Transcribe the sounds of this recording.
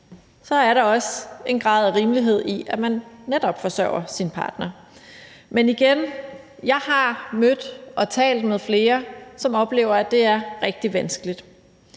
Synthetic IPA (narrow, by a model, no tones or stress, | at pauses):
sɒ̽æɐɾɑ̈ɒ̽se̝nɡ̥ʁɑ̰̈ːð̞ˠæʁiːmliɦe̝ð̞̰ˠiæmænːed̥ɒ̽b̥fɒ̽sɶʊ̰ɐsinpʰɑ̈ːd̥nɐ | meniɡ̥en | jɑ̈ɪɦɑ̈mød̥ʔɒ̽t͡sʰɛ̰ːld̥̚meðˠfle̝ːɐsɒ̽mɒ̽b̥le̝̰ːʊɐæd̥e̝æɐʁɛɡ̥̚d̥iʋænsɡ̥əlid̥